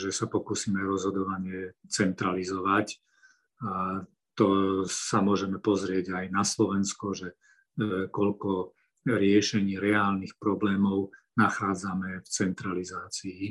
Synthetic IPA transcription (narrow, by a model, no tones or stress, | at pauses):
ʒɛsapɔkuːsiːmɛɾɔzɦɔd̪ɔʋaɲɪɛt͡sɛnt̪ɾalizɔʋac | a | t̪ɔsamʊɔʒɛmɛpɔzɾɪɛɟajnaslɔʋɛnskɔʒɛ | kɔʎkɔ | ɾɪɛʃɛɲiːɾɛaːlnixpɾɔblɛːmɔʊnaxaːd͡zamɛft͡sɛnt̪ɾalizaːt͡siː